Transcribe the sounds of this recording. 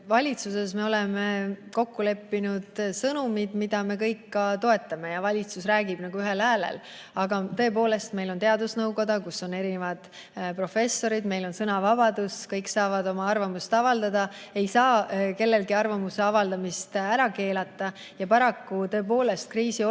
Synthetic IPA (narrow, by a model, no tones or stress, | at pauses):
vɑlʲit̪suse̞sme̞o̞le̞me̞ko̞kːule̞pːinud̪̥sɤnumid̪mid̪̥ɑme̞k̬ɤjkːɑt̪o̞e̞t̪ːˑɑme̞jɑvɑlʲit̪susræːɡib̥nɑɡ̥uyɦe̞lhæːlḛl | ɑɡɑt̪ɤ̞e̞p̬o̞ːle̞st̪me̞jlo̞nt̪eɑd̪usnɤwɡo̞d̪̥ɑkusːo̞ne̞ɾinevɑd̪̥ | pro̞fe̞sːo̞ɾid̪me̞jlo̞nsɤnɑvɑb̥ɑd̪̥uskɤjksɑːvɑd̪o̞mɑɑrvɑmust̪ɑvɑld̪ɑd̪ɑ | e̞jsɑːke̞lːe̞lɡiɑrvɑmuse̞ɑvɑld̪ɑmist̪æɾɑke̞ːlɑt̪ːˑɑ | jɑpɑɾɑkːut̪ɤ̞ep̬o̞ːle̞st̪̚kriːsi